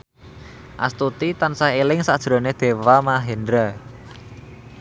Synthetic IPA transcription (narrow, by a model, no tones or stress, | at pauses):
ʔa̰st̪ut̪it̪ansaɦelɪŋsad̥ʒ̥ɾo̤ned̪̥e̤wamaɦend̪ɾə